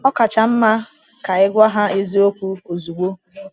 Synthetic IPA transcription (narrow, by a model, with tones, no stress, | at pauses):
ɔ˦ka˨t͡ʃa˨m̩˦ma˦ | ka˨ɪ˦ɡʷa˦ɦa˦i˦zi˦o˦kʷu˦o˨zu˨ɡ͡bo˦